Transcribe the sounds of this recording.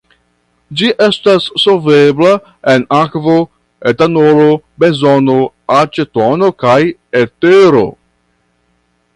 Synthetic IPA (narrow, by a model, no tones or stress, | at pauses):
d͡ʒiʔe̞stasːove̞bla | enakvo | etanolo | be̞nzono | at͡ʃetono̞kajeteɾo̞̰